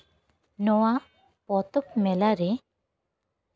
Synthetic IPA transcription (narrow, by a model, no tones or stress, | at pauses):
nɔwa | pɔt̪ɔp̚mɛlaɾɛ